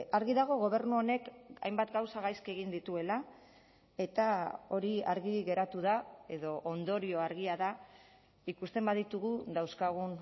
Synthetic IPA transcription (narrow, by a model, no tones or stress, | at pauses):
aɾɣiðaɣ̞o̞ɣo̞β̞e̞ɾnuone̞ka̰jmbat̪ɡawsaɣajske̞ɣind̪it̪ue̞la | e̞t̪ao̞ɾiaɾɣiɣe̞ɾat̪uð̞ae̞ðo̞ʔond̪o̞ɾio̞aɾɣ̞iaða | ikust̪e̞mbaðit̪uɣuðawskaɣ̞un